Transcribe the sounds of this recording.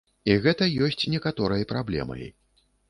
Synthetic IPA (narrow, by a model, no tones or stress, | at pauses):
iɣɛt̪ɐjɔsʲt͡sʲnʲɛkat̪ɔɾɐjɐpɾablʲɛ̰mɐ̰jḭ